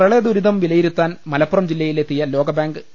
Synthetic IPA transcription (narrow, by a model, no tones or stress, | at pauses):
rɐɭed̪uɾiðɐmʋilɐjiɾut̪ːaːnmɐlɐpːurɐmd͡ʑilːɐjile̞t̪ːijɐlo̞ːɡɐbaːŋɡɨ